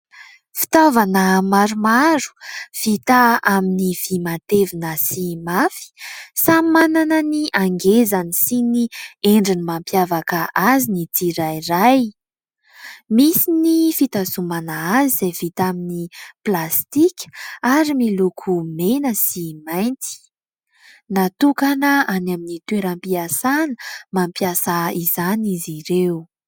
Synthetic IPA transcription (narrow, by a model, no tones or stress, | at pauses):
fi̥t̪avanəmaɾumaɾu̥v̥it̪aaminivimat̪evinəsimafi̥samananəniʔaŋɡezanisinieɳɖ͡ʐinimampjavakəʔazinit̪iɾajraj | misinifit̪asumanaaziz̥ev̥it̪aminiplast̪ikʲə̥aɾimilukʰumenəsimajnt̪i̥ | nat̪ukanəanaminit̪ueɾampiasanəmampjasaizaniziɾew